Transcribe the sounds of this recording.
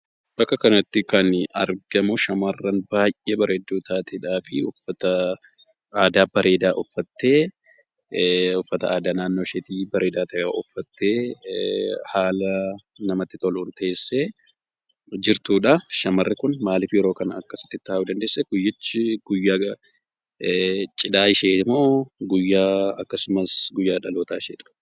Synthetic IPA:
bɐkːɐkɐnɐt̪ːɪkɐnɐ̰ɾɡɐmʊʃɐmɐrːɐnbaːjʔʔeːbɐɾʔeed̪ːuːt̪ʰaːt̪ʰiːᶑaːfɪʊfːɐt̪ɐ | aːd̪aːbɐɾʔe̞ːd̪aːʔɔfːɐt̪ːe̞ː | ʊfːɐt̪ɐʔaːd̪aːnaːnːoːʃeːt̪iːbɐɾe̞ːd̪aːt̪ʰɐʔʔɔfːɐt̪ːeː | haːlɐ | nɐmɐt̪ːɪt̪ʼɔluːnt̪ɐʔeːsːe | d͡ʒɪɾt̪uːᶑɐʃɐmɐrːɪkʊnmaːlɪfjɛɾo̞ːkɐnɐ̰kːɐsɪ̥t̪ːɪt̪ːaːʔuːd̪ɐnd̪eːsːɛɡʊjːɪt͡ʃːɪɡ̥ʊjːaː | t͡ʃʼɪᶑaːɪʃeːɪmoːɡʊjːaːɐkːɐsʊmɐsɡʊjːaːᶑɐlo̞ːt̪aːɪʃḛːᶑ̪ɐ̥

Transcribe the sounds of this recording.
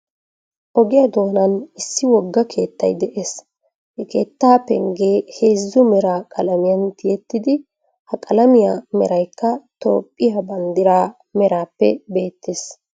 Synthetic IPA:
ʔɔɡɪjɐd̪o̞ːnɐnɪsːɪwɔɡːɐkʰe̞ːt̪ːɐ̰jd̪ɛʔe̞ːs | hɛke̞ːt̪ːaːpɛ̰ŋɡeːheːzːʊmɛɾaːkʼɐlɐmɪjɐnt̪ɪjɛt̪ːɪd̪ɪ | hɐkʼɐlɐmɪjamɛɾɐjkːɐt̪o̰ːpʼːɪjabɐnd̪ɪɾaː | mɛɾaːpːɛ̰be̞ːt̪ːes

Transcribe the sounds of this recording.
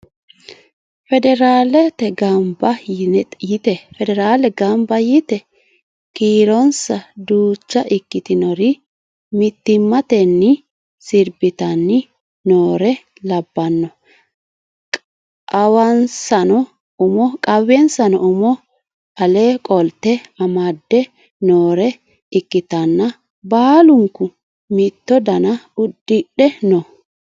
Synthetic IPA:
fɛd̪ɛɾaːlɛt̪ɛɡɐmbɐjɪt̪ɛfɛd̪ɛɾaːlɛɡɐmbɐjɪt̪ɛ | kiːɾɔnsɐd̪uːt͡ʃːɐʔɪkːɪt̪ɪnɔɾɪ | mɪt̪ːɪmːɐt̪ɛnːɪ | sɪɾbɪt̪ɐnːɪ | noːɾɛ | lɐbːɐnːɔ | kʼ | ʔɐwɐnsɐnɔ | ʊmɔkʼɐwɛnsɐnɔʊmɔ | ɐleːkʼɔlt̪ːɛɐmɐd̪ːɛ | noːɾɛ | ɪkːɪt̪ɐnːɐ | baːlʊŋkːʊ | mɪt̪ːɔd̪ɐnɐʊd̪̥ːɪɗɛnɔ

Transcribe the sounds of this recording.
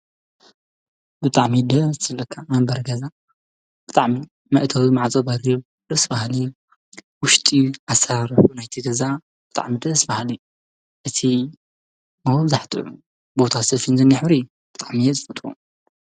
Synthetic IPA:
bɨt̪ʼaʕmid̪ɐzt̪ʰlːɐkʰːamɐmbɐɾɡɐza | b̥ɨt̪ʼaʕmi | mɐʔt̪ʰɐwimaʕat͡sʼɐbɐɾi | d̪̥ɐsbahli | wʊʃt̪ʼiʔasaɾɐfunajt̪ʰiɡɐza | b̥ɨt̪ʼa̰ʕmid̪ɐsbahli | ʔɨt̪ʰi | mɐhzaħt̪ʼɨ̰ʕu | bo̞t̪ʰasɐfinzɨnːɪħbɾijːu | b̥ɨt̪ʼaʕmijezɨfɐt̪ʼɾu

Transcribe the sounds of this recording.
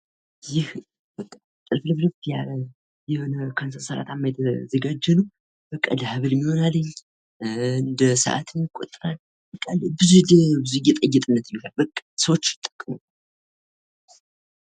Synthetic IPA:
jɪh | b̥əkʼːa | t̪ʼɨlfɨlɨβlɨft̪ja | jɛho̞nəkʰansəɾsəɾa̰t̪ʰamːajt̪ʰəzəɡad͡ʒːɛnu | b̥əkʼːa̰lhɨβɨlmːiho̞nalːəɲː | ɨnd̪əsʔa̰t̪ʰɨnkʷʼot̪ʼːɾal | b̥əkʼːalbɨzubɨzujɛt̪ʼəjːɛt̪ʼɨnːət̪mioalbəkʼːsəwot͡ʃːt̪ʼːə̥kʼːmo

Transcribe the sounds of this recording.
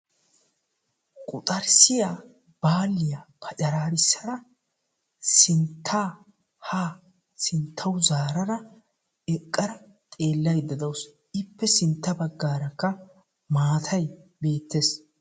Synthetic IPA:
kʼʊt̪ʼɐɾsɪja | b̥aːlːɪjapʰɐt͡ʃɐɾaːɾɪsːɐɾɐ | sɪnt̪ʰːaː | haː | sɪnt̪ʰːɐwzaːɾɐɾɐ | ɛkʼːɐɾɐ | t̪ʼe̞ːlːɐjd̪ːɐd̪ɐws | ɪpːɛsɪnt̪ːɐbɐɡːaːɾɐkːɐ | maːt̪ʰɐjbe̞ːt̪ːeːs

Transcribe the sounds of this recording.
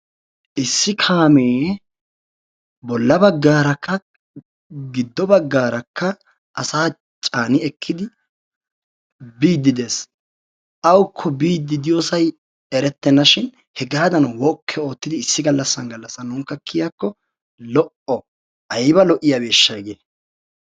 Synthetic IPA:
ʔɪsːɪkʰaːmeː | bɔlːɐbɐɡːaːɾɐkʰːɐ | ɡɪd̪ːɔbɐɡːaːɾɐkʰːɐ | ʔɐsaː | t͡ʃʼaːnɪɛkʰːɪd̪ɪ | biːd̪ːɪd̪e̞ːs | ʔɐwkʰːɔbiːd̪ːɪd̪ɪjoːsɐj | ɛɾɛt̪ːɛnɐʃɪn | hɛɡaːd̪ɐnwɔkʰːɛo̞ːt̪ːɪd̪ɪɪsːɪɡɐlːɐsːɐnɡɐlːɐsːɐnːʊŋkːɐkʰːɪjakːɔ | lɔʔɔ | ʔɐjbɐlɔʔɪjabeːʃːɐɡeː

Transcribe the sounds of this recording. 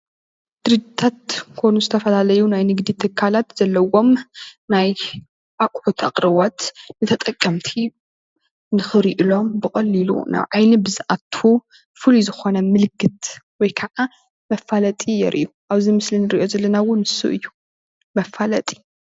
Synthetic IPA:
d̪̥ɨɾɨd͡ʒit̪ʰat̪̚kʰonuzɨt̪ʰɐfɐlalɐjunajnɨɡd̪it̪ʰɨkʰːalat̪z̥ɐlːɐwo̞mnaj | ʔakʼħut̪ʰakʼɾɐβat̪nɨt̪ʰɐt̪ʼɐkʼːɐmt̪ʰi | nɨxɨɾiʔilo̞mbɨχʼɐlːilṵna̰βʕajnibɨzɨʔat̪ʰːu | fɨluzɨxo̞nɐmɨlkʰɨt̪wɔjkʰɐʕa | mɐfːalɐt̪ʼijɛ̰ɾʔḭʔuʔaβzimɨslinɨɾiʔo̞zɐlɐnawʊnɨsṵʔɨ̰jːu | mɐfalɐt̪ʼi̥

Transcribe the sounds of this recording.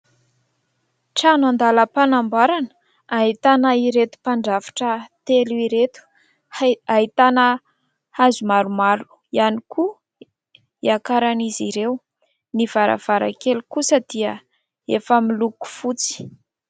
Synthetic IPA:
ʈ͡ʂanand̪aləpanambaɾanə | ait̪anəiɾet̪u̥paɳɖ͡ʐavi̥ʈ͡ʂət̪eluiɾet̪u̥ | ait̪anə | hazumaɾumaɾu̥ | ianiku | iakaɾaniziɾew | niv̥aɾa̰v̥aɾa̰kelukusəd̪iə | efəmiluku̥fut͡si̥

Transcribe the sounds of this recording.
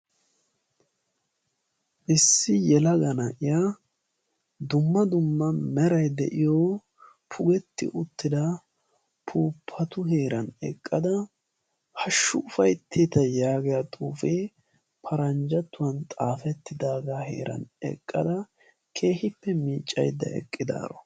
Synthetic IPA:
ʔɪsːɪjɛlɐɡɐnɐʔɪja | d̪ʊmːɐd̪ʊmːɐmɛɾɐjd̪ɛ̰ʔɪjo | pʰʊɡɛt̪ːɪ̰ʔʊt̪ːɪd̪ɐ | pʰuːpʰːɐt̪ʊɦeːɾɐnɛ̰kʼːɐd̪ɐ | hɐʃːʊʊfɐjt̪ʰːeːt̪ɐjaːɡɛjɐt̪ʼuːfeː | pʰɐɾɐnd͡ʒɐt̪ːʊwɐnt̪ʼaːfɛt̪ːɪd̪aːɡaɦḛːɾɐ̰nɛ̰kʼːɐd̪ɐ | kʰe̞ːhɪpːɛmiːt͡ʃʼːɐ̰jd̪ɐ̰ɛ̰kʼːɪd̪a̰ːɾɔ̰

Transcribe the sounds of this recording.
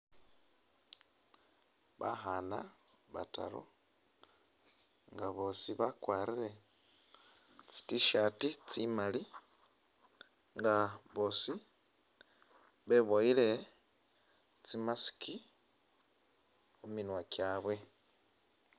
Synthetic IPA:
βa̰xana | βa̰ta̰ɾo̰ | ŋɡaβo̞ːsiβakwaːɾiɾe̞ | t͡si̥tiʃatit͡simali | ŋɡaβo̞ːsi | βe̞βoiɾe̞ | t͡simasi̥kʰi | uminwakjaːβwe̞

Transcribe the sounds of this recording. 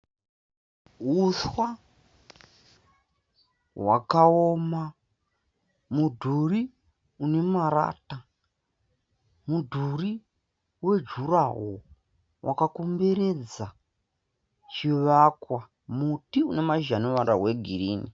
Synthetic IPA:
ɦuswa | wa̰kaoma | mudʱuri | une̞maɾa̰ːta | mudʱuri | we̞d͡ʒuraɦo | wa̰kakumbeɾe̞d͡za | t͡ʃiʋakwa | mutiunemaʒanuʋaɾa̰weɡʱiriːni

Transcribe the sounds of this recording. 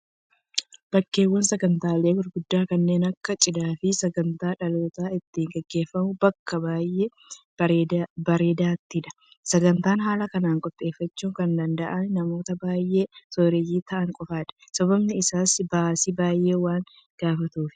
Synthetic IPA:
b̥ɐkːe̞ːwːɐnsɛɡɐnt̪aːle̞ːwɪɾɡʊd̪ːaːkɐnːe̞ːnɐkːɐt͡ʃʼɪd̪aːfɪsɐɡɐnt̪aːᶑɐloːt̪aːɪt̪ːiːŋɡɛɡːe̞ːfːɐmʊbɐkːɐbaːjʔeː | bɐɾeːd̪aːt̪ːɪᶑɐ̥ | sɐɡɐnt̪aːnɦaːlɐkɐnaːŋkʼɔt̪ʼːe̞ːfːɐt͡ʃːuːŋkɐnd̪ɐnd̪ɐʔɐnnɐmo̞ːt̪ɐbaːjʔe̞ːsoːɾɛjiːt̪ɐʔɐŋkʼɔfaːᶑɐ̥sɐbɐbnɪɪsaːsbaːsibaːjʔe̞ːwaːŋ | ɡ̥aːfɐt̪uːfɪ̥

